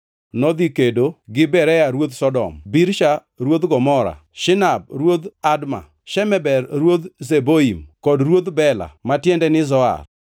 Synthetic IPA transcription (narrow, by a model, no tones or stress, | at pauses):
nɔd̪ikedoɡɪbɛɾɛjaɾwod̪sɔdɔ̰mbiɾʃa | ɾwod̪ɡɔmɔɾa̰ʃɪnab̚ɾwod̪adma̰ | ʃɛmɛbɛrɾwod̪zeboimkɔdɾwod̪bɛla̰matjɛndɛnɪzɔa̰r